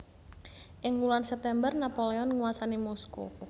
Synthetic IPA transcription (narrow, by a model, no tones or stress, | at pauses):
ʔɪŋulansɛp̚t̪ɛmbərnapoleɔnŋuwasanimɔskṵ